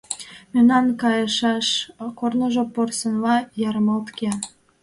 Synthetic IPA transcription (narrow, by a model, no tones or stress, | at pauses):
mynɑnkɑjəʃɑʃkornoʒoporsənβɑjɑɾəmɑlt̪ke